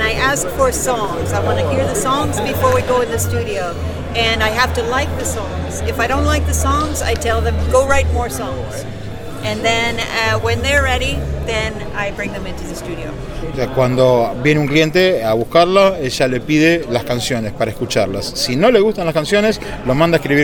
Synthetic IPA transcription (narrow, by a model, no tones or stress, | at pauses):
naɪʔæskfə˞sɔ̃ŋzaɪwɑ̃ñɨɦiɹðɨsɔ̃ŋzbɨfɔɹwiɡoʊɨ̃nðɨstʉɾioʊ | ɨ̃naɪɦæftɨlaɪk̚ðɨsɔ̃ŋz̥ɨfaɪɾõʊ̃ntˡlaɪk̚ðɨsɔ̃ŋza̰ɪtʰɛlˠðɨ̃mɡoʊɹaɪt̚mɔɹsɔ̃ŋz̥ | ɨ̃nðɨ̃nʌwɛ̃nðə˞ːɛɾiðɨ̃n | aɪbɹɪ̃ŋðɨ̃mɪ̃ntʰʉðɨstʉɾio̰ʊ | oseakwand̪o̞βjeneũŋklient̪eaβuhkaɾlaeʒale̞piðelaskansjo̞nespaɾaekut͡ʃaɾla̰sːino̞le̞ɣust̪anlaskansjo̞nes | lomãnd̪aekɾiβi